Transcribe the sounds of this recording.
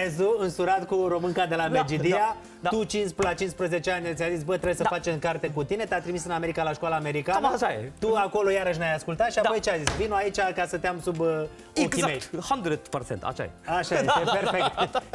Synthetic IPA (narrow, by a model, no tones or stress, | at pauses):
ezuɨnsuɾat̪kuɾo̞mɨŋkad̪e̞lamed͡ʒid̪ia | t̪ut͡ʃinsplat͡ʃinspɾəze̞t͡ʃe̞anʲt̪ʲazisʲbət̪ɾebjesəafat͡ʃɨŋkart̪e̞kut̪ine̞t̪eat̪ɾimisɨname̞ɾikalaʃkwalaːme̞ɾikanʃajet̪uako̞lo̞jaɾəʃ̬najaskult̪at̪ʃiapo̞jt͡ʃeazisvinuait͡ʃʲakasət̪eamsub | oeizmejt̪hand̪uɾet̪paɾsḛnt̪a̰ʃa̰jeaʃajjeepeɾfet̪